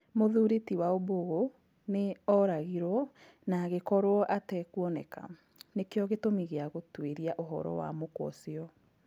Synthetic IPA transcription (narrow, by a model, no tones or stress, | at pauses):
moðuɾetiwaoboɣo | neɔɾaɣiɾɔ | naɣekɔɾwɔʔatɛkuɔnɛka̰ | nekeɔɣetomiɣeaɣotweɾiaʔoɦɔ̰ɾɔ̰wa̰mokwɔ̰siɔ